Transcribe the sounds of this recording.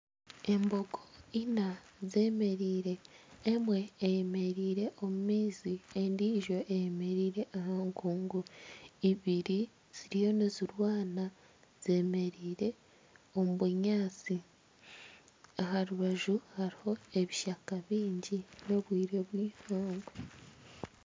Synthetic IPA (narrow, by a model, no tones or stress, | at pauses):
e̞mbo̞ɡoina | ze̞ːme̞ɾiːɾe̞ːmwe̞ːjeme̞ɾiːɾe̞ʔo̞mumiːziendiːʒo̞ʔejeme̞ɾiːɾe̞ʔahaːŋkuːŋɡuiβiɾi | z̥iɾijo̞niziɾwaːna | z̥e̞ːme̞ɾiːɾe̞ | o̞muβuɲaːt͡si | ahaɾuβaʒuhaɾiho̞e̞βiʃakaβiːɲɟino̞βwiːɾe̞βwiːhoːŋɡo